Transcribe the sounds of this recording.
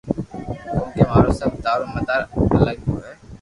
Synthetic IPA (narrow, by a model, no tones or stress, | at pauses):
ʊ̃ːkeːmaːɾoːsəb̚d̪aːɾõːməd̪aɾə̰ləɡɦoːɦɛː